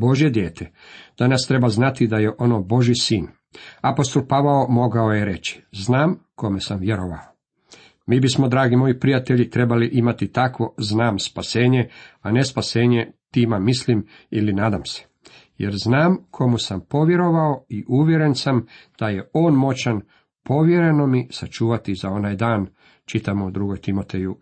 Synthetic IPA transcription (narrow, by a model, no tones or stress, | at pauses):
bo̞ʒje̞d̪jeːt̪ʰed̪̥anast̪ɾe̞baznat̪id̪ajeʔo̞nobo̞ʒjisiːn | apost̪olpaʋaomo̞ɡao̞jeɾe̞t͡ɕi̥znaːmko̞mesamʋjeɾoʋa̰o | miːbismo̞d̪ɾaːɡimo̞jipɾijat̪eʎit̪ɾe̞baliʔimat̪it̪akʋo̞znaːmspase̞ːɲeane̞spase̞ːɲe̞t̪iːmamislim | ilinaːd̪amse̥ | jḛɾznaːmkʰo̞musampo̞ʋje̞ɾo̞ʋaoiʔuːʋjeɾe̞nsamd̪̥aje̞o̞ːnmo̞t͡ʃan | po̞ʋje̞ɾe̞no̞misat͡ʃuːʋat̪izao̞naːjd̪aːn | t͡ʃit̪amod̪ɾuɡojt̪imo̞t̪eju